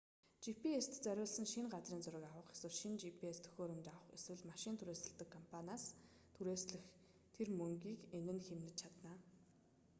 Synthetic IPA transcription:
t͡ɕipʰiest̪t͡sœɾʲʊːɮsə̆nʃiŋɢat͡sriːnt͡sʊɾʲɪ̆kawʊ̆χe̥swɘ̆ɮʃint͡ɕipʰiest̪ʰɵ̥xʲoːɾə̆mt͡ɕawə̆χḛswɘ̆ɮmaʃɪ̆nt̪ʰuɾeːsə̆ɮt̪ə̆kʰːɔmpʰanʲaːs | t̪ʰuɾeːsɮɘ̆x | t̪ʰermɵŋɡiːkenɘ̆nxemnɘ̆t͡ɕt͡ɕʰat̪naː

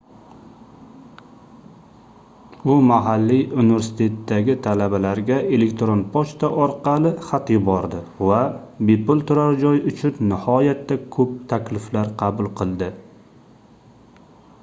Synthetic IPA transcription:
ʊmaɦalːijunɪve̞ɾsɪ̥t̪ʰe̞t̪ːaɡʲɪt̪ʰalabalaɾɡʲae̞le̞k̚ʲt̪ɾonpʰɒʃt̪aʔɒɾqʰɑlɪχat̪jɪbɒɾd̪ɪ | va | bepʰʊlˠt̪ʰʊɾaɾd͡ʒɒjʊt͡ʃʰʊnnɪhɒjat̪ːakʰɵp̚t̪ʰakʲlɪflaɾqʰɑbʊlˠqʰɨlˠd̪ɪ

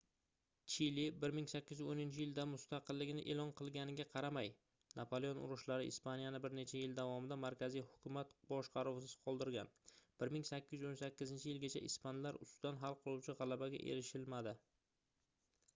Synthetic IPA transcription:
t͡ʃʰilibɪɾmɪŋsakʲːɪzonɪnt͡ʃʰɪjɪld̪amʊst̪ɑqɨlːɪɡʲɪnɪʔe̞lˠɒnqʰɨlˠɡʲanɪɡʲaqʰɑɾamaj | napʰolˠeonʊ̰ɾʊʃlaɾɪʔɪ̰spanijanɪbɪɾne̞t͡ʃʰajɪld̪avɒmɪd̪amaɾkʲazijhʊkʲʰʊmat̪bɒʃqɑɾʊwsɪz̥qʰɒlˠd̪ɪɾɡʲa̰nb̥ɪɾmɪŋsakʲːɪjɪonsakʲːɪzɪnt͡ʃʰɪjɪlɡʲat͡ʃʰaʔɪspanlaɾʊ̰st̪ʊd̪anɦalˠqʰɨlˠuwt͡ʃʰɪʁɑlˠabaɡʲa̰ʔḛɾɪʃɪlmad̪ɪ

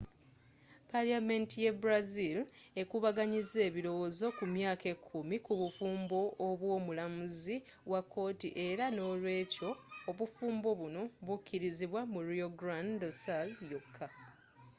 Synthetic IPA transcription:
paliame̞ntijebɾazil | e̞kuβaɡaɲize̞ːβiɾo̞wozo̞kumjaːke̞kʰːumikuβufuːmbo̞ːβwo̞ːmulamuziwakːo̞ːtḭʔe̞ɾano̞ːlwe̞ːco̞ːβufuːmbo̞βuno̞βucːiɾiziβwamuɾioɡɾandosaljokʰːa

